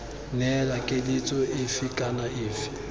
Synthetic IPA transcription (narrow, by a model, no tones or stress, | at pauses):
nɛlakʼɪlit͡sʼɔɪfikʼanaɪːfi̥